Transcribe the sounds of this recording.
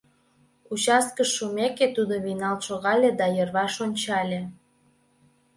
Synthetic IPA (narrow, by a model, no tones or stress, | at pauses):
ut͡ɕɑskəʃːumeket̪ud̪oβinɑlʃoɣɑlʲed̪ɑjərβɑʃonʲt͡ɕɑlʲe